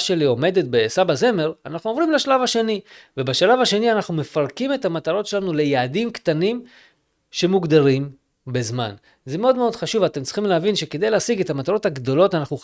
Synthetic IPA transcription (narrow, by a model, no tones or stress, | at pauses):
ʃe̞lio̞me̞de̞t̚besabaze̞me̞ʁanaχnuovʁimleʃalavaʃe̞nivebeʃalavaʃe̞nianaχnume̞faʁkime̞tamat̪aʁo̞tʃelanule̞jaːdimkt̪anim | ʃe̞muɡd̪aʁim | be̞zma̰n | zemeo̞dmeo̞d̪χaʃuvat̪e̞mtt͡ssli̥χimleavinʃe̞ked̪ejleasiɡe̞tamat̪aʁo̞thaɡd̪o̞lo̞tanaχnu